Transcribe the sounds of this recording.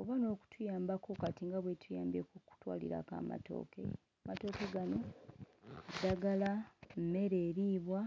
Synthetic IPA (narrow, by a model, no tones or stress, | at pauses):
oβano̞ːku̥tʰujaːmbako̞katiŋɡaβwetʰujaːmbekoku̥twa̰ːlḭɾa̰ka̰ːma̰to̞̰ːke̞̰ | amato̞ːke̞ɡano̞ | adaɡalamme̞ɾe̞ːɾiːβwa